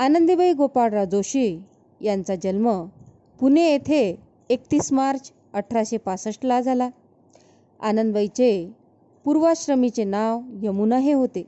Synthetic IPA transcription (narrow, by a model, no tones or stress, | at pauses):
anənd̪ibəiɡopaɽɾad͡zoɕi | jãnt͡sad͡ʑəlmə | puneːt̪ʰeː | k̚t̪iːsmaɾt͡s | əʈʰɾaɕepasəʂʈlad͡zʱala | a̰nənd̪bəjt͡se | puɾʋaɕɾəmit͡senaʋjemunaɦeɦot̪e